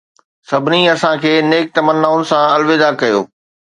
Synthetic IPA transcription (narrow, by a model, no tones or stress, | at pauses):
sɐbʱɪniɐsãkʰeːneːk̚t̪ɐmənːaːʊnɪ̆sãɐlʋeːzakɐjo̰ː